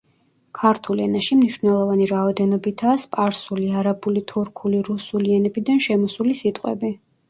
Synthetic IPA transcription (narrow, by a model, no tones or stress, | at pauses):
kʰaɾt̪ʰulɛnaʃimniʃvnɛlˠɔvaniɾaɔd̪ɛnɔbit̪ʰaːspʼaɾsuliaɾabulit̪ʰuɾkʰuliɾusuliɛnɛbid̪anʃɛmɔsulisit̪ʼqʼwɛ̰bi